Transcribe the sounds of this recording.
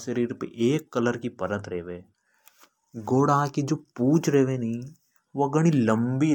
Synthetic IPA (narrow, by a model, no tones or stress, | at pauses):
ʃəɾiːɾpḛʔeːkːɐləɾkipɐɾət̪ɾeːʋeː | ɡoːɽakid͡ʒoːpuːt͡ʃʰɾeɦʋenɐɦĩ | ʋoɡɐɽ̃ilɐ̃mbi